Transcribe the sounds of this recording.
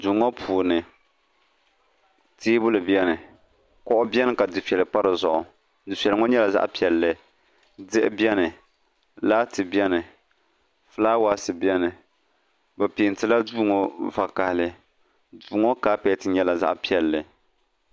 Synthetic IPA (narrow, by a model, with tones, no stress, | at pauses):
du˨ŋɔ˦pʰuː˨nɨ˨ | tiː˦bʊ˦lɨ˨bjɛ˦nɨ˨ | kɔ˦ʔʊ˦bjɛ˦nɨ˨ka˨dɨ˨fɛ˨lɨ˨k͡pa˦ɾɨ˨zʊ˨ʔʊ˨ | dɨ˨fɛ˨lɨ˨ŋɔ˦ɲɛ˦la˨za̰˦ʔpi˨ɛ˨lːɨ˨ | dɨ˦ʔɪ̰˦bi˦ɛ˦nɨ˨ | laː˦tɨ˨bjɛ˦nɨ˨ | flaː˦waː˦sɨ˨bjɛ˦nɨ˨ | bɛ˨pi˨n˨tɨ˨la˦duː˦ŋɔ˦va˨ka˨hlɨ˨ | duː˨˦ŋɔ˦kaː˦pɛ˨tɨ˨ɲɛ˦la˨za̰˦ʔpi˦˨ɛ˨lːɨ˨